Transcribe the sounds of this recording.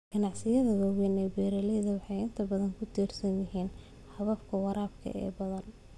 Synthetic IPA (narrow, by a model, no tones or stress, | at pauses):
ɡ̥ɐnɑʕsɪjɐðɐwɐwɛnɛjbɛːɾɐlɛjðɐwɑħɑjɪnt̪ʰɐbɐðɐŋkʰʊt̪ʰiːrsɐnjɪɦiːn | ħɑβɐfkʰɐwɑɾaːbkʰɐ̰ʔɛ̰ːbɐðɐn